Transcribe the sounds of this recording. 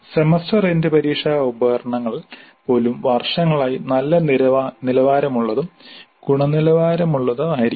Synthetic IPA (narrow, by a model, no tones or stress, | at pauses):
semɐstɐrendɨpɐɾiːkʂaːubɐɣɐrɐɳɐŋːɐɭ | po̞ːlumʋɐrʂɐŋːɐɭaːjinɐlːɐnilɐʋaːɾɐmuɭːɐðum | ɡ̥uɳɐnilɐʋaːɾɐmuɭːɐðɨaːjiɾi